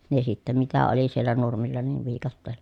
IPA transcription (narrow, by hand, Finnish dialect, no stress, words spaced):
ne sitːæ mitæ oli sielːæ nurmilːɑ niːʋ ʋiːkɑtːeːlːɑ̥